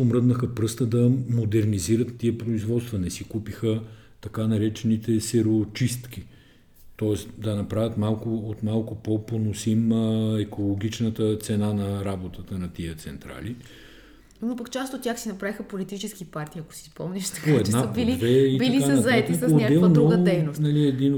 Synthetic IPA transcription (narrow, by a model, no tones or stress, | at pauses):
omɾɤd̪nəxəpɾɤst̪əd̪ɐmod̪ɛɾniziɾət̪ːiəpɾoizvɔt̪st̪vɐnɛsikupixə | t̪ɐkanɐɾɛt͡ʃɛnit̪ɛsɛɾot͡ʃist̪kʲi | t̪ɔɛsd̪ɐnɐpɾavʲət̪malˠkʊːt̪malˠkʊpoponosimɛkʰolˠoɡ̟ʲit͡ʃnət̪ət̪sɛnanɐɾabot̪ət̪ənɐt̪iət̪sɛnt̪ɾa̰li | mopɐkt͡ʃast̪ot̪ːʲaxsinɐpɾavixəpolit̪it͡ʃɛskipaɾt̪iːɐko̥sispɔmniʃt̪poɛd̪abilivɛibiɐlikaɐzɐɛt̪ːd̪ɛlˠnɾuoɡəd̪ɛjnosnɐliɛd̪in